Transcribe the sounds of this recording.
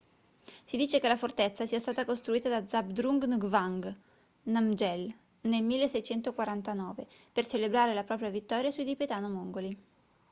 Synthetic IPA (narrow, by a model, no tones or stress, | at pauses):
sid̪iːt͡ʃekelafort̪et̪sːasiːast̪aːt̪akost̪ɾuiːt̪ad̪ad̪zabd̪ɾuŋɡnuɡvaŋɡ | namd͡ʒɛl | nelmilːesɛjt͡ʃɛnt̪okwaɾant̪anɔːvepert͡ʃelebɾaːɾelapɾɔːpɾjavit̪ːɔːɾjasujd̪ipet̪aːnomoŋɡoli